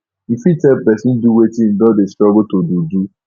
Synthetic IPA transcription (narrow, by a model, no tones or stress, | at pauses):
fitɛpbɛsin̩duwetin̩dɔdestɾɔɡotodudu